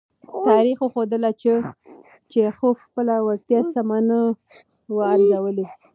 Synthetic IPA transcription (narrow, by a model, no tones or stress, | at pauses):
t̪ɑɾixwoxod̪əlat͡ʃə | t͡ʃexofxpəlawaɾ̚t̪jɑsamanə | waaɾzawəle